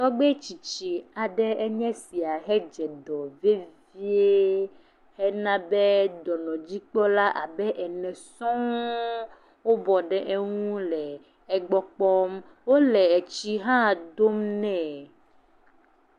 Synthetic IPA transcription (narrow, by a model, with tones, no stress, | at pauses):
t̪ɔ˦ɡ͡bɛ˦t͡ʃi˨t͡ɕi˨a˨ɖɛ˦ɛ˦ɲɛ̃˦si˨a˨ɦɛ˦d͡ʒɛ˨d̪ɔ˨ve˦vi˦e˦ | hɛ˦nã˦be˦d̪ɔ˨nɔ̃˨d͡ʑi˦k͡pɔ˦la˦ʔa˨bɛ˦ʔɛ˨nɛ̃˨sɔ̃˦ | wo˦bɔ˨ɖɛ˦ʔe˦ŋũ˦lɛ˨ | ɛ˨ɡ͡bɔ˦k͡pɔ˦m | wo˦lɛ˨ɛ˨t͡ɕi˦ɦã˦d̪o˦mnɛ̃˦˨